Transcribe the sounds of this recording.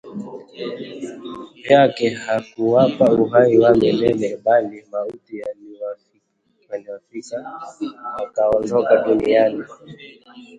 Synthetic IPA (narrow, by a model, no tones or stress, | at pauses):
pjakɛhakuwapauɦaiwamɛlɛlɛɓalimautijaw | waniwafika | akaɔndɔkaɗuniani